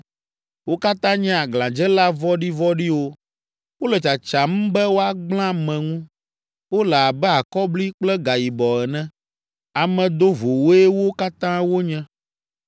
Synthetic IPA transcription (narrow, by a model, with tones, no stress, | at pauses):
wo˦ka˦t̪ã˦ɲɛ̃˦a˨ɡlã˨d͡ʒɛ˦la˦vɔ˦ɖi˦vɔ˦ɖi˦wo˦ | wo˦lɛ˨t͡ʃa˨t͡ʃa˨m̩̃˦bɛ˦wo˦a˦ɡ͡bl̃ã˦mɛ̃˨ŋũ˦ | wo˦lɛ˨a˨bɛ˦a˨kɔ˦bli˦k͡plɛ˦ɡa˨ji˨bɔ˨ɛ˨nɛ̃˦ | a˨mɛ̃˨d̪o˦vo˨wo˦ɛ˦wo˦ka˦t̪ã˦wo˦ɲɛ̃˦